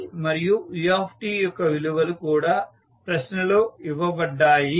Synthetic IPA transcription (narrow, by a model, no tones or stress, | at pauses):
mɐɾijujaːpʰʈiːjɔkːɐʋiluʋɐlukuːɽaː | pɾɐɕnɐloːiʋɐʋɐɖːaːji